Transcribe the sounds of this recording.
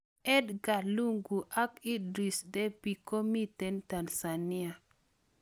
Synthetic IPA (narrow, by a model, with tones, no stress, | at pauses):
ɛ˦dɡa˨lu˦ŋɡu˨ʔa˦ki˦dɾi˨sdɛ˦pi˨ko˦mi˦tɛ˨nta˨nsa˨ni˦a˨